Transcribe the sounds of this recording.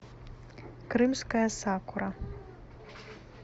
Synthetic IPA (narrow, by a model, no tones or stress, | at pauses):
krɨmskajasakʷʰʊɾa